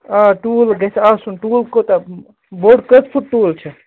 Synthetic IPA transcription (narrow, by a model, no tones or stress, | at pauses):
aʈulɡɛt͡ʃʰɐsunʈuːlkot̪ɐ | boɖkət̪pʰuʈʈuːlt͡ʃʰɛ